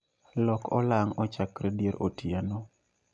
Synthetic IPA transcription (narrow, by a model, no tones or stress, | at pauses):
lɔkʰɔ̰laŋɔt͡ʃakɾedjeɾʔotiano